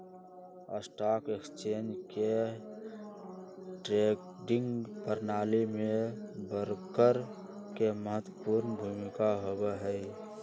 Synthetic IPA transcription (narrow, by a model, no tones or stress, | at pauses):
ə̰sʈaːkekst͡ʃeːnd͡ʒke | ʈɾek | ɖɪ̃ŋɡpəɾnaːlimẽbəɾkəɾ | keməɦət̪wəpuːɾnbʱuːmɪkaɦobeɦɛi